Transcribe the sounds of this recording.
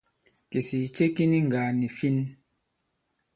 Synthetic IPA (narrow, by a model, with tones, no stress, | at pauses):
ke˨si˨t͡ʃe˦ki˦ni˦ŋ̩˨ɡa˨ni˨fi˦n